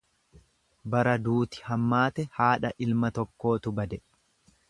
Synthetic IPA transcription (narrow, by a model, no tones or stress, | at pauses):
bɐɾɐd̪uːt̪ɪ̥hɐmːaːt̪ɛhaːᶑɐʔɪlmɐt̪ɔkːo̞ːt̪ʊbɐd̪ɛ